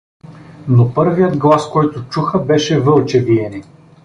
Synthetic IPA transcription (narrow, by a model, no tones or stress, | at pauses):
nopɤɾvijəd̪ɡlˠaskɔjt̪ʊt͡ʃuxəbɛʃɛvɤlˠt͡ʃɛviɛnɛ